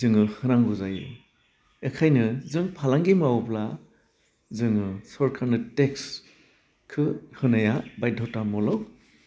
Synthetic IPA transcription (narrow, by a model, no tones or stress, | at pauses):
zɯŋɯhɯnaŋɡuzajṵ | ekʰajnɯzɯŋpʰalaŋɡimawpla | zɯŋɯsɔɾkʰaɾnɯteks | kʰɯhɯnajabajdʱɔtamɔlɔw